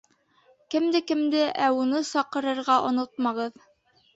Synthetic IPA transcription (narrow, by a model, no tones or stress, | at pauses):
kɘ̆md̪ɘkɘ̆md̪ɘʔæunɤsɑqɤ̆ɾɤ̆ɾʁɑʔŏnot̪̚mɑʁɤð